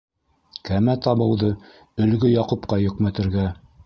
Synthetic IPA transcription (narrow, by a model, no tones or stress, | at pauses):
kæmæt̪ɑβɤ̆wðɤ | ɵ̆lɡɵjɑqupqɑjɵ̆kmæt̪ɘ̆ɾɡæ